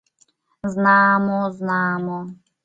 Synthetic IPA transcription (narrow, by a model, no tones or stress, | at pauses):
znaːmɔznaːmɔ